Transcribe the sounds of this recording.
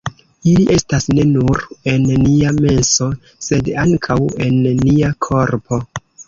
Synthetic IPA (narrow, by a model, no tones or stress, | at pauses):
iliʔe̞stasne̞nuɾe̞nːiame̞nso̞ | se̞daŋkʰawe̞nːiakʰo̞ɾpʰo̞